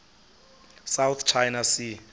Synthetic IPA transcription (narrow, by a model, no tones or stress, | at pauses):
sawt̪t͡ʃʰajnasi